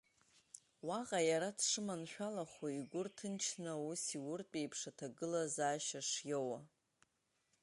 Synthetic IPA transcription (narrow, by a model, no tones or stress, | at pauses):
waʁʼajaɾadʰʂɨmanħʷᶣalaχʷaiɡʷʊrtʰɨnt͡ʃʰnausiwʊrt͡pʼejpʰʂatʰaɡɨlazaːʃaʂjowa